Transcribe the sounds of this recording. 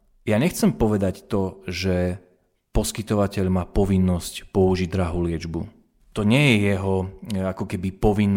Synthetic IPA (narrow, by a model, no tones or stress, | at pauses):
jaɲɛxt͡sɛmpɔʋɛd̪act̪ɔʒɛ | pɔskit̪ɔʋacɛʎmaːpɔʋinːɔscpɔuʒiɟd̪ɾaɦuːlɪɛd͡ʒbu | t̪ɔɲɪɛjɛjɛɦɔakɔkɛbipɔʋinː